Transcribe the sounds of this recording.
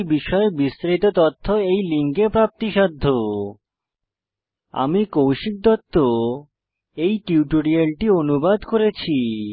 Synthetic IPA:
biʃɔebist̪ɾait̪ot̪ɔt̪ʰːoejliŋkepɾap̚t̪iʃad̪ʱːo | a̰mikowʃik̚d̪ɔt̪ːo | ejʈiuʈoɽialʈionubad̪koɾet͡ɕʰi

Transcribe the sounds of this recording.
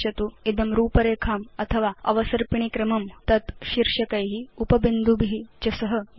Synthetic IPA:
ɐt̪uid̪ɐmɾuːpɐɾeːkʰaːmɐt̪ʰɐʋaːɐ̰ʋɐsɐɾpiɳ̃ikɾɐmɐmt̪ɐt̪ʃiɾʂɐkɐjɦiupɐbind̪ʱubʱiɦit͡ʃɐsɐɦɐ

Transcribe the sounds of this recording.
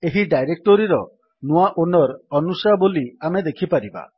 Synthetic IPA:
eɦiɖajɾek̚ʈoɾiɾɔ | nuaʔonɔɾɔnusaboliamed̪ekʰipaɾiba̰

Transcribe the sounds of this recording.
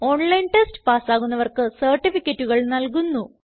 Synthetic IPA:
o̞ːɳlɐjnʈesʈɨ̥paːsaːɣunːɐʋɐrkɨsɐrʈːifikʲːɐtːuɣɐɭnɐlkunːu

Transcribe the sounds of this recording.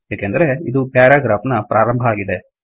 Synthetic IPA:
jaːkend̪ɐɾe̞id̪upaːɾaːɡɾaːpnɐpɾʔaːɾɐmbʱɐaːɡid̪e

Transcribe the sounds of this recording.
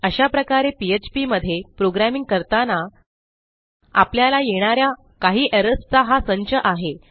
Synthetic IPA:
əɕapɾəkaɾepiet͡ɕpiməd̪ʱːjepɾoɡɾæmiŋɡ̚kəɾt̪ana | a̰pljalajeɽ̃aɾja | kaɦiːʔəɾəst͡saɦasəɲt͡ɕəʔaɦe

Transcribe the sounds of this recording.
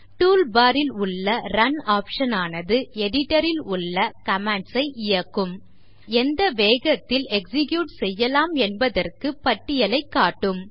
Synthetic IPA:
ʈuːlbaːɾɪlʊɭːɐɾɐnaːpʂɐnaːnɐðɯɛɽɪʈːɐɾɪlʊɭːɐkɐmɛɳsɐɪʔɪjɐkːɯm | ɛnd̪ɐʋeːɣɐt̪ːɪlɛksɪkjuːʈsɛjːɐlaːmɛnbɐðɐrkɯpɐʈːɪjɐlɐɪkːaːʈːɯm

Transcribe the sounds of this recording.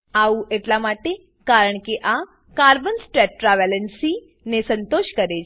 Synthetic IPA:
auʔeʈlamaʈe | kaɾəɳ̃keʔa | kaɾbənsʈɾɛʈɾaʋɛlənsi | nesə̃nt̪oʃkəɾe

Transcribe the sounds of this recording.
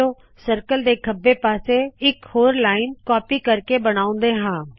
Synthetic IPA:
oː | səɾkəld̪eːkʰəbːeːpaːseːɪkhoːɾlaːɪnkɔːpiːkəɾkeːbəɽ̃aːʊ̃nd̪eːɦãː

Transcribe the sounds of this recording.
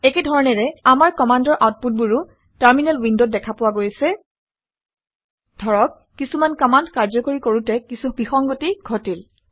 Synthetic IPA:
ɛkɛdʱɔɹɔnɛɹɛamaɹkɔmandɔɹʔawt̚put̚buɹu | taɹminɛlwindot̚dɛkʰapʊwaɡojsɛ | dʱɔɹɔkːisumankɔmandkaɹzɔkoɹikoɹutɛkisubixɔŋɡotiɡʱotil

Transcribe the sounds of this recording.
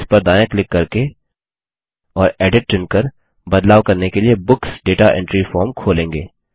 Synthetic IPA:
spɐɾd̪aːjãklɪkːɐɾke | ɔːɾɛːɖɪʈ̚t͡ʃʊ̃nkɐɾ | bɐd̪laːʋkɐɾnekeliebʊksɖeːʈaʔɛ̰̃ɳʈɾifɔːɾmkʰoːlẽːŋɡḛː

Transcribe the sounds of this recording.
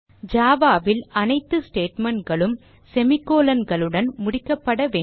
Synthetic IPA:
d͡ʒaːʋaːʋɪlɐnɐɪt̪ːɯsʈeːʈmɐɳɡɐɭɯm | sɛmɪkːoːlɐnɡɐɭɯɽɐnmʊɽɪkːɐpːɐɽɐʋeː

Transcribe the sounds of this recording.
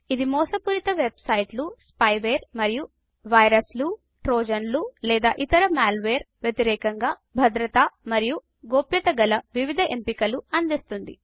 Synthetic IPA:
id̪imɔːsɐpuɾit̪ɐʋebsɐjʈluspɐjʋeːɾmɐɾiju | ʋɐjɾɐslu | ʈɾoːd͡ʒɐnlulɛːd̪aːʔit̪ɐɾɐmaːlʋeːɾ | ʋjet̪iɾɛːkɐŋɡaː | bʱɐd̪ɾɐt̪ɐmɐɾiju | ɡoːpjɐt̪ɐɡɐlɐʋiʋid̪ʱɐʔempikɐluɐnd̪ist̪und̪ḭ

